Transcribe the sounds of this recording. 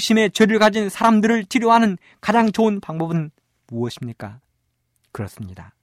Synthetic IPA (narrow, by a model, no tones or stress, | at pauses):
ɕ͈ʰime̞t͡ɕeɾɯɭkad͡ʑinsʰaɾamdɯɾɯɭtʰiɾjoɦanɯn | kad͡ʑaŋt͡ɕoɯnpaŋbʌbɯn | muʌɕʰimɲik͈a̰ | kɯɾʌs͈ɯmɲida